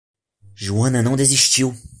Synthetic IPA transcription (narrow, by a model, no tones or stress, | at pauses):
ʒuɐ̃nɐnɐ̃w̃d̪eziʃt͡ʃiw